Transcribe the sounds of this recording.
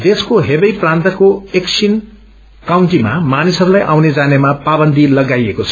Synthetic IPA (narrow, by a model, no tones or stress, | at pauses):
d̪eskoɦebʌjprãnt̪ʌkoeksʰin | kawɳʈima̰manisʌɾulajʔawned͡zanemapabʌnd̪ʱilʌɡajekot͡sʰʌ̥